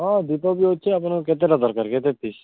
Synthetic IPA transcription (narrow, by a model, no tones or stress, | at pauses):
ɔ̃d̪ipobiɦotːt͡ʃʰeapanket̪̬eɾad̪ɔɾkaɾket̪epiʃ